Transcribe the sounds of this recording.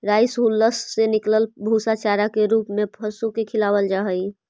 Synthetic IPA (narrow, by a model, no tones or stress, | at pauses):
ɾaːɪsɦulːəsːenɪkləlbʱusat͡ʃaɾakeɾuːpmẽpʰəsukekʰɪlaːwəld͡ʒaɦəi